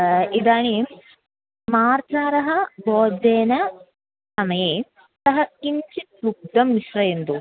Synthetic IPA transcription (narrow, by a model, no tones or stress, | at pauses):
id̪aːɳi | maːɾt͡ʃaːɾɐɦɐ̆boːd͡ʒeːnɐ | sɐmɐjeː | t̪ɐɦɐkiɲt͡ʃit̪̚luk̚d̪ɐmniʃɾɐjend̪u